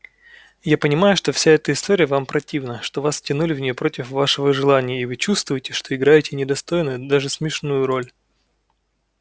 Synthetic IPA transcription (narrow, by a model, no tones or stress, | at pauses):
japənʲɪmajʊʂt̪o̞fsʲaɛt̪əɪst̪o̞ɾʲɪjəvampɾɐtʲivnəʂt̪o̞vastʲɪnulʲɪvnʲɪjopɾo̞tʲɪfvaʂɨvəʐɨlˠanʲɪjəivɨt͡ɕust̪vʊjɪtʲɪʂt̪o̞ɪɡɾajɪtʲɪnʲɪd̪ɐst̪o̞jnəjʊd̪aʐɨsmʲɪʂnujʊɾo̞lʲ